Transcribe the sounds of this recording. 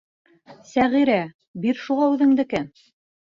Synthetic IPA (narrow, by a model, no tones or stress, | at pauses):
sæʁiɾæ | biɾʃuʁɑʉðɘ̆ŋd̪ɘ̆kæn